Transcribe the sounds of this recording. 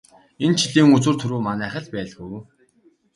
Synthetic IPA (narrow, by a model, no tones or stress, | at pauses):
ent͡ɕʰiɮiːŋut͡sŭːrt̪ʰɵɾuːmanæːχə̆ɮpæːɮɣuw